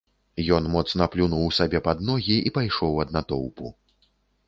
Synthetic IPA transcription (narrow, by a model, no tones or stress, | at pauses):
jɔnmɔt̪snɐplʲunuwsabʲɛpad̪nɔɣʲiipajʂɔwɐd̪nat̪ɔwpṵ